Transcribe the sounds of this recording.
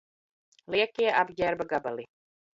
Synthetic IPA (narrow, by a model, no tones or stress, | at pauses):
liɛkiɛʔabɟʲæɾbaɡabalˠi